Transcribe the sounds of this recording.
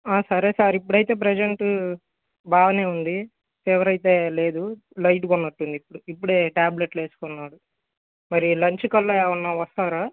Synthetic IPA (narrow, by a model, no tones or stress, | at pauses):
aːsɐɾeːsaːɾipːuɽɐjt̪e̞ːp̬ɾɛd͡ʒeɳʈ | baːʋɐne̞ːund̪i | t̪ɛʋɐɾɐjt̪e̞ːle̞ːd̪u | lɐjʈ̬uɡɔnːɐʈːund̪ipːuɽuipːuɽeːʈaːble̞ʈle̞ːsu̥kɔnːaːɽu | mɐɾilɐɲt͡ʃikɐlːɐɛːʋɐnːaːʋɐst̪aːɾaː